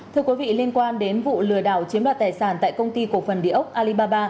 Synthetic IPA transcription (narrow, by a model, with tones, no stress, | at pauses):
t̪ʰɨ˧əkwi˨˦vḭ˧˨li˧ənkwaː˧nɗe˨˦nvṵ˧˨lɨ˨˩əɗaː˧˩wt͡ɕi˨˦əmlaː˧˨jt̪ːjsaː˧˩nt̪a̰ː˧˨jkə˧wŋ͡mt̪i˧ku˧˩əfə˨˩nɗḭ˧˨əʔə˦˥wk͡p̚ʔaː˧li˧ɓaː˧ɓaː˧